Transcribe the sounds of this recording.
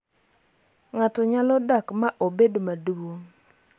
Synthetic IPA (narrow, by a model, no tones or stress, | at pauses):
ŋatɔɲalɔdakmaʔobedomaduwo